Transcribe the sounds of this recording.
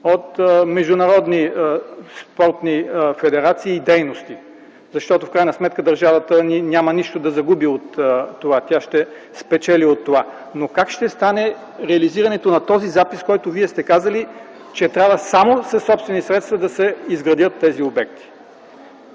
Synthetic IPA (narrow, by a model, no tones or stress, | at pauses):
ot̪mɛʒd̪ʊnɐɾɔd̪ni | spɔɾt̪nifɛd̪ɛɾat̪siːd̪ɛjnost̪i | zɐʃt̪ɔt̪ofkɾajnɐsmɛt̪̚kəd̪ɐɾʒavət̪əninʲjamɐniʃt̪od̪ɐzɐɡubiot̪ːovat̪ʲjaʃt̪ɛ | spɛt͡ʃɛliot̪ːova | nokakʃt̪ɛst̪anɛ | ɾɛɐliziɾɐnɛt̪onɐt̪ɔzizapiskɔjt̪oviɛst̪ɛkazɐli | t͡ʃɛt̪ɾʲavəsamosɐsːɔpst̪vɛnisɾɛt̪st̪vɐd̪ɐsɛizɡɾɐd̪jət̪ːɛziobɛk̚t̪ʰi̥